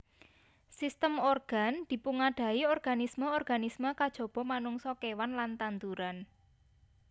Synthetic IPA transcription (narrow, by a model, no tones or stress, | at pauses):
sist̪əmɔrɡ̥a̤nd̪̥i̤puŋaɖ̥a̤iɔrɡ̥a̤nisməɔrɡ̥a̤nisməkad̥ʒ̥ɔ̤b̥ɔ̤manuŋsɔkewanlant̪ant̪uɾan